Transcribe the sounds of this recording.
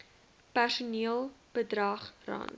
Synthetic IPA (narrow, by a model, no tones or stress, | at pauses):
pærsuniəlˠb̥ədrɐχrɐ̰nt